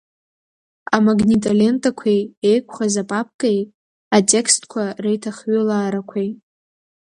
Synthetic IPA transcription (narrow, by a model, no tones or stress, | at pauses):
amaɡnitʼalʲe̞ntʼakʷʰejejkʷʰχazapʼap̚ʰkʼej | atʼe̞kʰstʰʼkʷʰarejtʰaχɥolaːɾakʷʰej